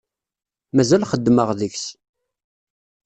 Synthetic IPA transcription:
mæzælχəd̪ːməʁðəçs

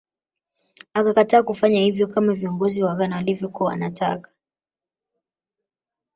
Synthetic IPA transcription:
akakataːkufaɲahivjɔkamaviɔŋɡɔziwaɣanawalivjɔkuaa̰natʰa̰kḁ

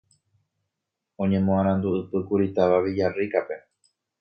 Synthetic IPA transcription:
õ̞ɲẽ̞mõãɾ̃ãnd̪uɨpɨkuɾit̪aʋaʋid͡ʒarikape̞

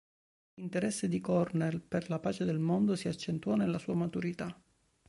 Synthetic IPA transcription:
int̪eɾɛsːed̪ikɔrnelperlapaːt͡ʃed̪elmond̪osiat͡ʃːent̪uwɔnelːasuːamat̪uɾit̪a

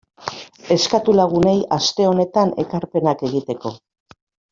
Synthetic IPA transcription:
e̞skat̪ulaɣ̞une̞jast̪e̞o̞ne̞t̪ane̞̰kaɾpe̞nake̞ɣ̞it̪e̞ko̞

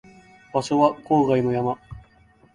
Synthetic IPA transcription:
baɕo̞βako̞ːɡaino̞jama

